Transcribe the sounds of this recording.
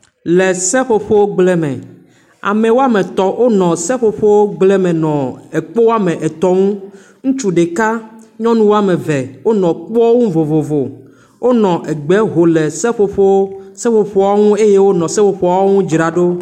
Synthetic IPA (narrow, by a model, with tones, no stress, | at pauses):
lɛ˨sɛ˦ɸo˦ɸo˦wo˦ɡ͡blɛ˦mɛ̰̃˨ | a̰˨mɛ̃˨wo˦a˦mɛ̃˨t̪ɔ˨wʔo˦nɔ̃˨sɛ˦ɸo˦ɸo˦wo˦ɡ͡blɛ˦mɛ̃˨nɔ̃˨ɛ˨k͡po˦wo˦a˦mɛ̃˨ʔɛ˨t̪ɔ˦ŋũ˦ | ŋũ˦t͡ʃu˦ɖe˨ka˦ɲɔ̃˦nũ˦wo˦a˨mɛ̃˨vɛ˨wo˦nɔ̃˨k͡pɔ˦ŋũ˦vo˨vo˨vo˨ | wʔo˦nɔ̃˨ʔɛ˨ɡ͡bɛ˨˦ɦo˨lɛ˨sɛ˦ɸo˦ɸo˦sɛ˦ɸo˨ɸɔ˦wa˦ŋũ˦e˦je˦wo˦nɔ̃˨sɛ˦ɸo˨ɸɔ˦a˦ŋũ˦d͡ʒɾa˨ɖo˦